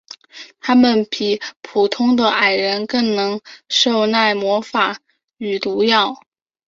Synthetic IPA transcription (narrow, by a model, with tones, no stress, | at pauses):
t̪ʰa˥mə˨npi˨˩pʰu˨˩t̪ʰʊ˥ŋd̪ə˨ʔa˨˩ɪɻə˧˥nkɤ˥˩ŋnɤ˧˥ŋʂo˥˧ʊna˥˩ɪmwɔ˧˥fa˨˩˦ | y˨˩t̪u˧˥jɑ˥˩ʊ